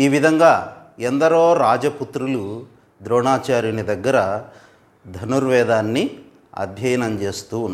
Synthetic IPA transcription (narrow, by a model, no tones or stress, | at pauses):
iːʋid̪ʱɐŋɡaːend̪ɐɾoːɾaːd͡ʒɐput̪ɾulu | d̪ɾɔːɳaːt͡ʃaːɾjunid̪ɐɡːɐɾɐ | d̪ʱɐnuɾʋɛːd̪aːnːi | ɐ̰d̪ʱjɐjɐnɐmt͡ʃe̞ːst̪unː